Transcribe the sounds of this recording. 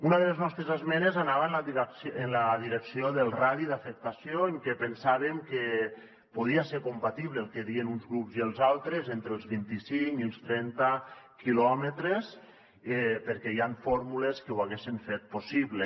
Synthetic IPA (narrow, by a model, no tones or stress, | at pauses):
unaðəleznɔst̪ɾezazmɛnezanaβaenlasenlaðiɾeksioðəlˠraðiðafək̚t̪asijoeŋkɛpənsaβemke | puð̞iaseɾkumpat̪iβleːlˠkeðienunzɣɾupziəlˠzalˠt̪ɾezent̪ɾeːlˠzβint̪isiŋkiəlˠst̪ɾɛnt̪akilɔmet̪ɾes | ɛpəɾkɛiaɱfɔɾmuleskewaɣesiɱfet̪̚posiβle